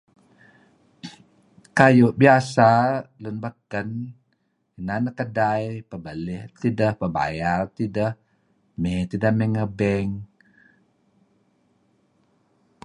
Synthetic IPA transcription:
kajʊʔbiasalunbəkən | inanəkədajpəbəlɪht̪idəhpəba̰jart̪idəh | mɛt̪idəmeŋəbɛŋ

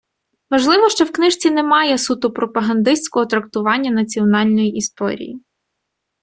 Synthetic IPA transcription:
ʋɐʒlˠɪʋɔʃt͡ʃɔwknɪʃt͡sʲinemɑjɛsut̪ʊpɾɔpɐɦɐnd̪ɪsʲt͡sʲkɔɦɔt̪ɾɐk̚t̪ʊʋɑnʲːɐnɐt͡sʲiɔnɑlʲnɔjiʔist̪ɔ̰ɾʲḭjḭ

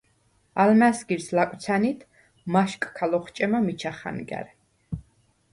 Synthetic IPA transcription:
almæsɡiɾslakʼwt̪sʰanit̪ʰ | maʃkʼkʰalɔχt͡ʃʼɛmamit͡ʃʰaχa̰nɡɛ̰ɾ

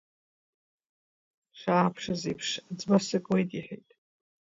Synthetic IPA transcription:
ʂʰaːpʰʂazipʰʂd͡zbasɨkʼwejtʼiħḛjtʼ

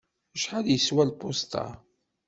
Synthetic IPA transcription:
əʃħad̪jəswælpost̪ɑ̰

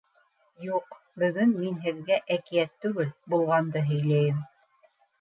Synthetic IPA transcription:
juq | bɵ̆ɡɵnminɦɘ̆ðɡæʔækijæt̪ːʉɡɘlbulˠʁɑnd̪ɤɦɵ̆jlæjɘm

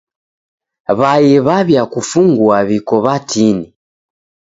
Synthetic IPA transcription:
βajɛβaβjakufuŋɡwaβikɔβatini

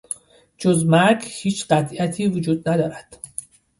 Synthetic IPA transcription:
d͡ʒozmæɾɡhiːt͡ʃʰɢæt̪ʰiæt̪ʰiːvod͡ʒuːd̪næd̪ɒːɾæd̪̥

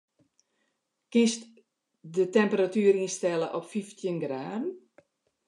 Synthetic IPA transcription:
kɪst | dətɛmpəɾatyːəɾinstɛləʔɔpfiftʰjənɡraːdən̩

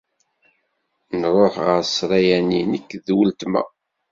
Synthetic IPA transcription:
nɾˤoħʁəɾsˤɾˤæjæninəkːðwəlt̪mæ̰

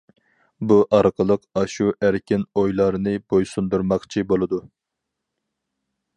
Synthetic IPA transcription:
buʔɑɾqʰəlˠəqɑʃuʔæɾkʲɪnojlˠɑɾnɨbojsund̪uɾmɑqt͡ʃʰibolˠɨd̪u

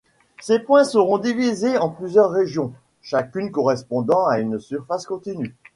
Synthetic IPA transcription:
sepwɛ̃səʁɔ̃d̪ivizeɑ̃plyzjœʁːeʒjɔ̃ | ʃakʲynkɔʁɛspɔ̃d̪ɑ̃aynsyʁfaskɔ̃t̪iny

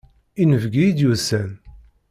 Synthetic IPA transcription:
inəvɡiid̪jusæn

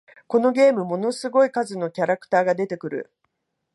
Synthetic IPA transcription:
ko̞no̞ɡʲe̞ːmɯ̟mo̞no̞sɨɡo̞ikazɨno̞kʲaɾakɯ̟̥t̪aːɡad̪e̞t̪e̞kɯ̟ɾɯ̟̰

